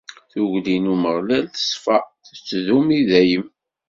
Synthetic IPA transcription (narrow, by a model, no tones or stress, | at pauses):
θuʝlinuməʁlælθə̥sfæθət͡sːðumiðæjəm